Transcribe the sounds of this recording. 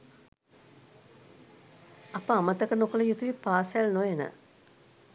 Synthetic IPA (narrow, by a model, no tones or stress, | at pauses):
apəamət̪əkənokələjut̪uʋipaːsjælnojenə̰